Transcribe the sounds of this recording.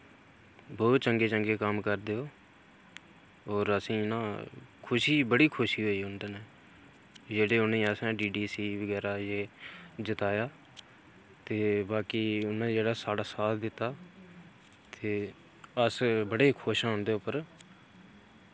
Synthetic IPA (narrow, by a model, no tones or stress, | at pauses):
bɔːt̪t͡ʃəŋɡeːt͡ʃəŋɡeːkəmkəɾd̪eːoː | ɔːɾəsĩːɪnãːkʰʊʃiːbəɽiːkʰʊʃiːɦoːiːɦʊnd̪əneː | d͡ʒeːɽeːʊnẽːəsɛ̃ːɖiːɖiːsiːʋəɡɛːɾaːjeːd͡ʒət̪aːjaː | t̪eːbaːkiːʊnẽːd͡ʒeːɽaːsaːɽaːsaːt̪ʰd̪ɪt̪ːaː | t̪eː | əsbəɽeːkʰoːʃãːnd̪eːʊːpəɾ